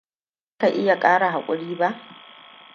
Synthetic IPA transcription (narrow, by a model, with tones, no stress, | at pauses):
a˦ka˨ʔɪ˦ja˨kʼaː˦ɽa˨ɦa˨kʷʼʊ˦ɽiː˦ba˦ʔ